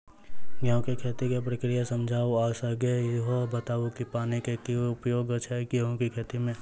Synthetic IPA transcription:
ɡaõkekʰet̪ikep̬ɾəkɾijasɐmd͡ʒʱaːoaːsəɡeɦobət̪aːʋukipaːnikekiʊpjoːɡət͡ʃʰɛɡeɦõkikʰet̪imẽ

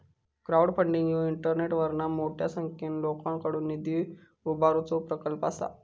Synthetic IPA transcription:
kɾawɽpʰəɳɖiŋɡjoiɳʈəɾneʈʋəɾnamoʈʰjasəŋkenlokãŋkəɽuːnːid̪i | ubaɾut͡sopɾəkəlpa̰sa̰

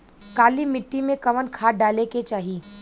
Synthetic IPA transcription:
kaːlimɪʈːimẽkɐʋənkʰaːɖaːleket͡ʃaːɦiː

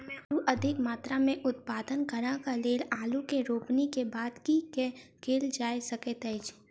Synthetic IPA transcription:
uʔɐd̪ʱɪkmaːt̪ɾamẽʔʊt̪̚paːd̪ənkəɾãkaleːlaːlukeɾoːpnikebaːd̪kikekeːld͡ʒaːesɐket̪ɛɪd͡ʒ

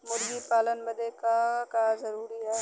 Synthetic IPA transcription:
mʊɾɡipaːlənbɐd̪ekakazɐɾuːɾiɦɛː

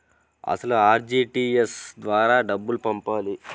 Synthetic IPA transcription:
ɐ̰sɐluaːɾd͡ʒiːʈiːesd̪ʋaːɾaːɖɐbːulupɐmpaːli

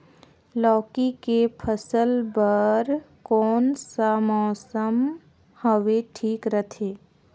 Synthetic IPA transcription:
lɔːkikepʰəsəlbəɾ | kɔːnsamɔːsəm | həʋeʈʰiːkɾət̪ʰeː

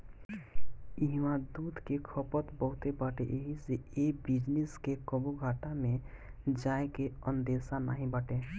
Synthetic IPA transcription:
iɦmãd̪uːd̪kekʰəpət̪bəɦʊt̪ebaʈeʔeɦiseeːbɪd͡ʒneskekəbuɡʱaːʈamẽ | d͡ʒaːekeənd̪eːsana̰ːɦĩbaːʈe

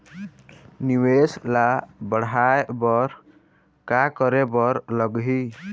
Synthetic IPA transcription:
niweslabəɽaebɔɾ | kakʌɾebʌɾlʌɡɦi

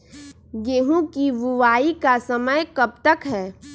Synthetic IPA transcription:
ɡeːɦũkiʋʊʋaːikasəməjkɐb̚t̪əkɦɛː

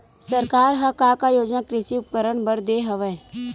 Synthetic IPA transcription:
səɾkaːɾɦɐkakajoːd͡ʒnakɾɪʃiʊp̚kəɾəɽbəɾd̪eːɦɐʋɛː

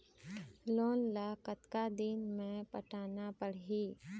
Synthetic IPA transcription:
loːnlaːkət̪kad̪inmẽpəʈʰaːnapəɽ̤ɦiː

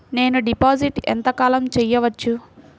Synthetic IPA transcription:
ne̞ːnuɖipaːd͡ʒiʈɛ̰nt̪ɐkaːlɐmt͡ʃɛjːɐʋɐt͡ʃːu

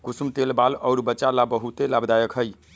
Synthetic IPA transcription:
kusumt̪elbalɔʊɾbətːt͡ʃalabəɦut̪elabd̪ajəkɦəj

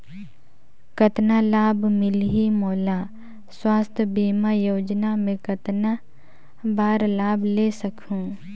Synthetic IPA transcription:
kət̪nalaːbmɪlɦimoːla | swaːst̪ʰbiːmajoːd͡ʒnamẽkət̪na | baːɾlaːblesɐkʰũ

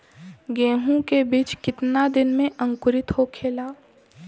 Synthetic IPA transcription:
ɡẽːɦũkebiːt͡ʃkɪt̪nad̪ɪnmẽʔə̃ŋkʊɾɪt̪ɦokʰeːlaː

